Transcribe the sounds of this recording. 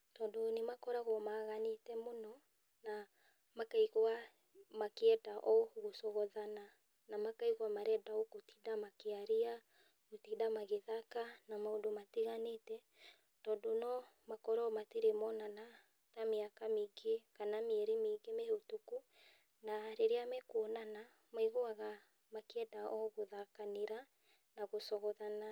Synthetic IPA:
tɔdonemakɔɾaɣomaːɣanetɛmonɔ | na | makaiɣoa | makeɛtaʔɔɣosɔɣɔðana | namakaiɣwamaɾɛdaokotidamakeaɾia | ɣotidamaɣeðakanamaodomatiɣanetɛ | tɔːdonɔ | makɔɾɔmatiɾemɔnana | tameakameɡekanameɛɾemeɡemeotuku | naɾeɾeamɛkwɔnana | maiɣoaɣa | makeɛdaʔɔɣoðakaneɾa | naɣosɔɣɔðana

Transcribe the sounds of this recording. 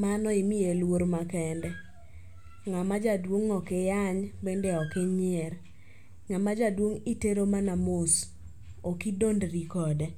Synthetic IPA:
manɔimɪelwoɾmakɛndɛ | ŋamad͡ʒadwoŋːɔkejaɲbendeɔkeɲɪɛɾ | ŋamad͡ʒadwoŋiteɾomanamʊs | okidondɾikɔdɛ

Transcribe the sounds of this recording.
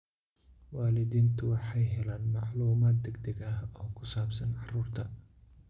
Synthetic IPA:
wɑːlɪðiːnt̪ʰʊwɑħɑjɦɛlaːnmɑʕluːmaːd̪̚ɛɡd̪ɛɡɐhɔːkʰʊsaːbsɐnʕɑruːrt̪ʰɐ

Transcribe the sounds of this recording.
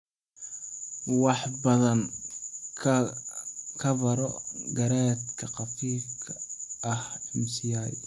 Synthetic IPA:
wɑħbɐðɐn | kʰɐβɐɾɔɡɐɾaːt̪kʰɐqɑfiːkʰɐɐhɛmsiaj

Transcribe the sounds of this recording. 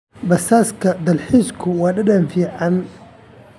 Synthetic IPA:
bɐsaːskʰɐd̪ɐlħiːskʰʊwɑːɗɐɗɐnfiːʕan

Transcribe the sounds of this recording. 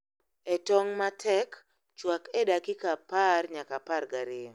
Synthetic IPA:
ɛtɔŋmatʰɛk | t͡ʃwakɛdakɪkaparɲakaparɡaɾɪ

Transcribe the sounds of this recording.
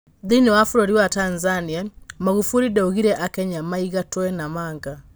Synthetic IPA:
ðiniwafuɾoɾiwatanzaniamaɣufuɾidɛuɣiɾɛʔakɛɲamaiɣatwɛnamaːŋɡa

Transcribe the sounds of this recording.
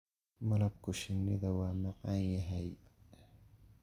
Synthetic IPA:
mɐlɐb̚kʰʊʃɪnːɪðɐwaːmɑqʼɑnjɐɦɛj

